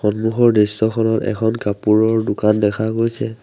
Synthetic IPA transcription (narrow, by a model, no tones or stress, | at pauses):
xɔnmuxɔɹdistɔkʰɔnɔtɛ̰kʰɔnkapuɹɔɹdʊkandɛkʰaɡojsɛ